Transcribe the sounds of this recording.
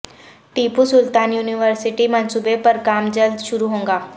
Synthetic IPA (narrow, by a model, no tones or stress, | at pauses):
ʈiːpusʊlt̪aːnjuːniʋəɾsɪʈimə̃nsuːbepəɾkaːmd͡ʒəld̪ʃʊɾuɦõːŋɡaː